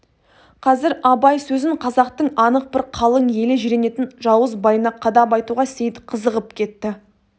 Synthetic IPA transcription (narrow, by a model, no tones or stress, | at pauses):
qʰɑzɪɾɑbɑjsɵzɪɴqʰɑzɑqt̪əɴɑnəq̚bɪɾqʰɑlˠəɴje̞lɪʒiɾe̞ne̞t̪ɪnʒɑwəzbɑjnɑqʰːɑd̪ɑpɑjt̪uʁɑsejt̪qʰəzəʁəp̚kʲʰe̞t̪ːɪ